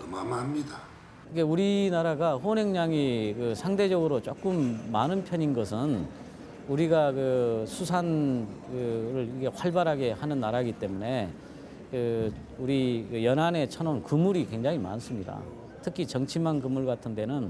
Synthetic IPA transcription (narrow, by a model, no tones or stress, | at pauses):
ɯmamamɲida | iɡe̞uɾinaɾaɡaɸone̞ŋɲaŋikɯsʰaŋde̞d͡ʑʌɡɯɾot͡ɕ͈ok͈ɯmːanɯnpʰjʌɲinɡʌsʰɯn | uɾiɡakɯsʰusʰankɯɾɯɾiɡe̞ɸwaɭbaɾɦaɡe̞hanɯnːaɾaɡit͈e̞mune̞ | kɯ | uɾikɯjʌnane̞t͡ɕʰʌnonkɯmuɾikwe̞ŋd͡ʑaŋima̰ns͈ɯmɲida̰ | tʰɯkʰit͡ɕʌŋt͡ɕʰimankɯmuɭɡatʰɯnde̞nɯn